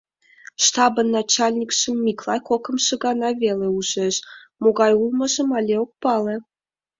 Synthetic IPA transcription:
ʂt̪ɑbɤ̆nːɑt͡ɕɑlʲnʲikʂə̆mːʲiklˠɑjkokɤ̆mʃɤ̆ɡɑnɑvʲelʲĕuʒĕʃmoɡɑjulˠmɤ̆ʒə̆mɑlʲeok̚pɑlĕ

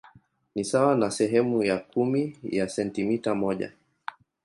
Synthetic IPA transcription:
nisawanasɛɦɛmujakumijasɛntimitamɔʄa̰

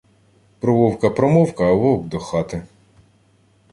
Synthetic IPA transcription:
pɾɔʋɔwkɐpɾɔmɔwkɐʋɔɡd̪ɔxɑt̪ɪ

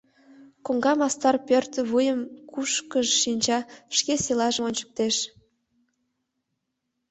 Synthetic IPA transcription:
koŋɡɑmɑst̪ɑrpʲørt̪əβujəmkuʃkəʒʃinʲt͡ɕɑʃkeselɑʒə̆onʲt͡ɕə̥̆k̚t̪eʃ

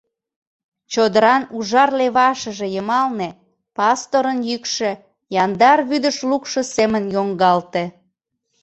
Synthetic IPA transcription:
t͡ɕod̪əɾɑnuʒɑrleβɑʃə̆ʒĕjəmɑlne | pɑst̪oɾənjykʃĕ | jɑnd̪ɑrβyd̪əʃlukʃə̆semənjoŋɡɑlt̪e

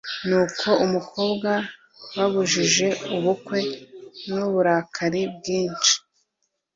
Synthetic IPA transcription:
nukʰo̞umukʰo̞bɡa | waβuʒiʒe̞uβukwe̞mnuβuɾaːkʰaɾib̚ɡiːnt͡ʃi̥

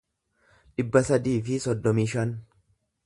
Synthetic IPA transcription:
ᶑɪbːɐsɐd̪iːfɪsɔd̪ːɔmiːʃɐn

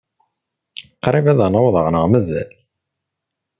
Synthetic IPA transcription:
qɾˤivæðænoðˤəʁnəʁmæzæ̰l

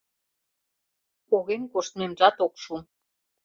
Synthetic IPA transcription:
oɣemkoʃt̪̚memʒɑt̪okʃu

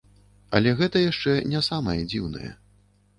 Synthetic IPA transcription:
ɐ̰lʲɛɣɛt̪ɐjaʂt͡ʂɛnʲasamɐjɛd͡zʲiwnɐ̰jɛ̰

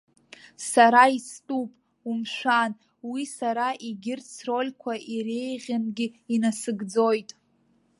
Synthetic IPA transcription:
saɾaistʼupʼ | umʃʷᶣan | wisaɾaʔiɡʲɪrt͡sro̞lʲkʷʰaʔiɾe̞jʁʲanɡʲɪinasɨɡd͡zojtʼ

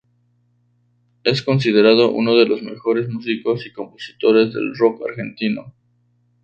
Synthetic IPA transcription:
e̞sko̞ns̬ið̞e̞ɾað̞o̞ʔṵno̞ðe̞lo̞zme̞̰xo̞ɾe̞zmus̬iko̞siko̞mpo̞si̥t̪o̞ɾe̞zðe̞̰lro̞ka̰ɾxe̞nt̪ino̰

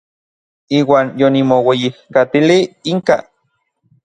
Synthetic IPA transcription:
iːwaːnjonimowejihkat̪iliiŋka̰

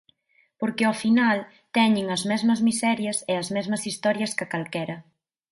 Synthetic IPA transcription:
poɾkeɔfinal | t̪ɛɲɪŋɐzmɛzmɐzmisɛɾjɐseɐzmɛzmɐsist̪ɔɾjɐskɪkalkɛɾɐ

